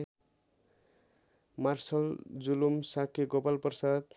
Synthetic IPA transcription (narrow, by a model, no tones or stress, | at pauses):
marsʌld͡zulumsakʰeɡopalpʌrsad̪